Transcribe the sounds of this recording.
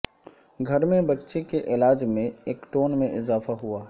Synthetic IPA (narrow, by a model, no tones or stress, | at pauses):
ɡʱɐɾmẽbɐtːʃekeʔɪlaːd͡ʒmẽeːkʈoːnmẽʔɪzaːfaɦuaː